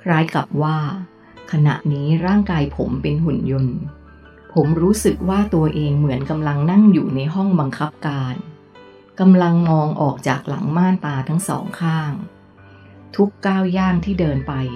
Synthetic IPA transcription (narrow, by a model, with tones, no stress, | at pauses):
kʰɾaː˦˥jkla˨˩p̚waː˥˩ | kʰa˧na̰˨˩ʔniː˦˥ɾaː˥˩ŋkaː˧jpʰo˩˦mpe˧nɦu˨˩njo˧n | pʰo˩˦mɾuː˦˥sɯ˨˩k̚waː˥˩t̪u˧ɐʔeː˧ŋmɯ˩˦ənka˧mla˧ŋna˥˩ŋjuː˨˩na˧jɦɔ˥˩ŋba˧ŋkʰa˦˥p̚kaː˧n | ka˧mla˧ŋmɔː˧ŋʔɔ̰ː˨˩k̚t͡ɕa̰ː˨˩k̚la̰˩˦ŋmaː˥˩nt̪aː˧t̪ʰa˦˥ŋsɔ̰ː˩˦ŋkʰaː˥˩ŋ | t̪ʰu˦˥kːaː˥˩wjaː˥˩ŋt̪ʰiː˥˩dɤː˧npa˧j